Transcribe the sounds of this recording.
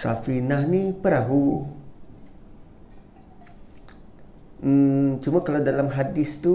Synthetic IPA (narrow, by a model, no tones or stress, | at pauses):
sa̰finahnipəɾaɦu | t͡ʃumakalawdalamɦadɪst̪u